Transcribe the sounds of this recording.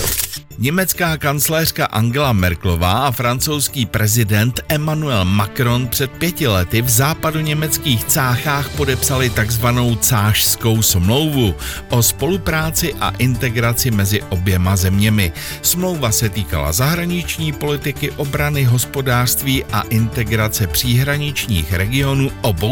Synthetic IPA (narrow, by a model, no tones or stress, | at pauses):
ɲɛmɛt͡skaːkant͡slɛːr̝̥kaʔaŋɡɛlamɛɾklo̞vaːʔafɾant͡so̞wskiːpɾɛzɪdɛnt̪ʔɛmanuɛlmakɾo̞npr̝̥ɛt̪̚pjɛcɪlɛt̪ɪvzaːpaduɲɛmɛt͡skiːxt͡saːxaːxpo̞dɛpsalɪt̪aɡzvano̞wt͡saːʃsko̞wsmlo̞wvuʔo̞spo̞lupɾaːt͡sɪʔa̰ʔɪnt̪ɛɡɾat͡sɪmɛzɪʔo̞bjɛmazɛmɲɛmɪ | smlo̞wvasɛt̪iːka̰la̰zaɦɾaɲɪt͡ʃɲiːpo̞lɪt̪ɪkɪʔo̞bɾanɪɦo̞spo̞daːr̥st̪viːʔa̰ʔɪnt̪ɛɡɾat͡sɛpr̝̥iːɦɾaɲɪt͡ʃɲḭːxɾɛɡɪo̞nuːʔobow